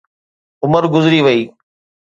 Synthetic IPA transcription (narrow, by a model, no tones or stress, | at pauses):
ʊməɾɡʊzɾiːʋɐiː